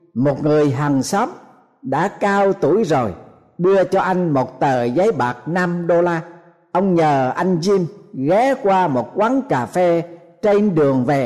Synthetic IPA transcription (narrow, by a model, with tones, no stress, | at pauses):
mo˨˩t̚ŋɨ˨˩əjɦa˨˩ŋsɔ˨˦˥m̚ | ɗa̰ː˧˥kaː˧wt̪u˧˩əjzo˨˩j | ɗɨ˧ət͡ɕɔ˧ʔa˧jŋ̟mo˨˩t̚t̪əː˨˩zə˨˦jɓaː˨˩k̚na˧mɗo˧laː˧ | ʔə˧wŋ͡mɲəː˨˩ʔa˧jŋ̟zi˧mɣɛ˨˦kwaː˧mo˨˩t̚kwa˨˦nkaː˨˩fe˧ | t͡ɕe˧nɗɨ˨˩əŋve˨˩